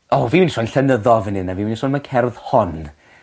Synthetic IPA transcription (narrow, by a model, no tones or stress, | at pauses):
ɔviminsɔjnɬɛnəðɔvənɪnaviminisɔnmakʰɛrðhɔn